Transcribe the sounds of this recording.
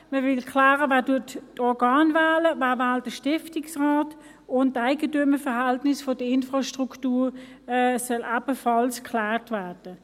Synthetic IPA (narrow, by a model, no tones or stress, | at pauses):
məvɪlkʰlaːʁəvaːɐtuəɐttɔɐɡɑːnvaːləvaːvaːldəʃtɪftɪksʁaːt | ʊntːaɪɡətyməfɛʁhæltnɪsfod̥əɪnfʁɑʃtʁuktuːʁɛsœlʔɑb̥əfɑlskʰlæːʁtvæːɐd̥ə